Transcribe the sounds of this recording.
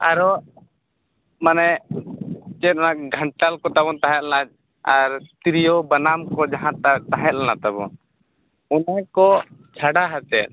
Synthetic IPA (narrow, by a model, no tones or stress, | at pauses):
aɾɔ | manɛ | t͡ʃɛt̪̚ɔnak̚ɡʱəɳʈalkɔt̪aβɔnt̪aɦɛt̪̚anad͡ʒ | aɾt̪ɾijɔbanamkɔd͡ʒaɦãt̪at̪aɦɛt̪̚lanat̪abɔn | unakɔt͡ʃʰaɽaɦat̪ɛt̪̚